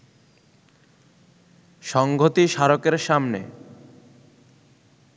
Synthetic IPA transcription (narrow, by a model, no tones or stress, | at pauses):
ʃɔŋɡʱot̪iʃaɾokeɾʃamnḛ